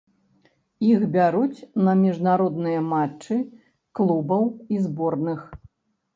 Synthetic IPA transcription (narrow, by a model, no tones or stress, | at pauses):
iɣbʲaɾut͡sʲnɐmʲiʐnaɾɔd̪nɨjɐmat͡ʂt͡ʂːɨ | klˠubɐwizbɔrnɨx